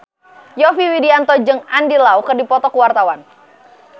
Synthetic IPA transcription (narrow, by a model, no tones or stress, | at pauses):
jɔfiwidiant̪ɔd͡ʒɨŋandilaukərdipɔt̪ɔkuwart̪awan